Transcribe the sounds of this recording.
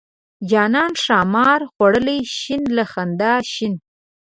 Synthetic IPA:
d͡ʒɑnɑnʂɑmɑɾxwaɽəlajʃɪnlaxand̪ɑʃɪn

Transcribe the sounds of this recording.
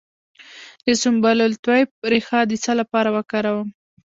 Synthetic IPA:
d̪əsʊmbalʊlt̪wajp̚ɾexɑd̪ət͡salapɑɾawəkɑɾawəm

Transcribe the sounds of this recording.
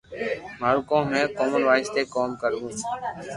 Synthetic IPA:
maːɾukõːmẽːkoːmənʋaːɪst̪eːkoːmkəɾũː

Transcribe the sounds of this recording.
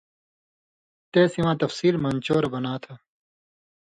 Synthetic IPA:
t̪eːsiwãːt̪ɐfsiːlmɐnt͡ɕoːɾɐbɐnaːt̪ʰa

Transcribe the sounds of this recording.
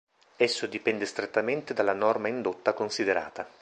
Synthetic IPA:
ɛsːod̪ipɛnd̪est̪ɾet̪ːament̪ed̪alːanɔrmaind̪ot̪ːakonsid̪eɾa̰ːt̪a

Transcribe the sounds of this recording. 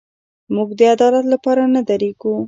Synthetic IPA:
muɡd̪əad̪ɑlat̪lapɑɾanad̪aɾeɡu

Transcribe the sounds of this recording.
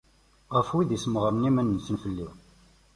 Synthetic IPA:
ʁəfwiðisməʁɾnimənːsənfəlːiʁ

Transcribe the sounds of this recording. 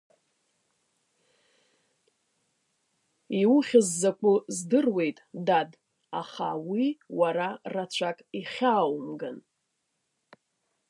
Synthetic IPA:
iwʊχʲɪzːakʷʼʊzdɨrwe̞jtʼdad | aχawiwaɾarat͡ɕʷʰakʼiχʲaːwmɡɨn

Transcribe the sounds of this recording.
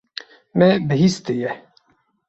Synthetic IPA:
mɛbɨɦist̪ejɛ

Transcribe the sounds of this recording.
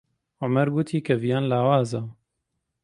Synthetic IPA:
ʕʊmɐɾɡut̪ʰiːkʰɐvijaːnlaːwaːza

